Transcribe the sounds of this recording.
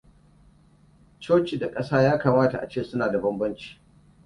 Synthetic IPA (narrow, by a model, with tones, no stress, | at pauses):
t͡ʃoː˦t͡ʃi˨da˨kʼɐ˦saː˦jaː˦kaː˨maː˦ta˨ʔa̰˨t͡ʃeː˦˨sʊ˦naː˨da˨bɐ˦mbɐ˦nt͡ʃi̥˦